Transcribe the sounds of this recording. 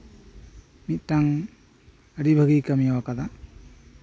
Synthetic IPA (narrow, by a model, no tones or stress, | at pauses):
mit̪̚taŋ | əɽibʱəɡijkəmiawakad̪a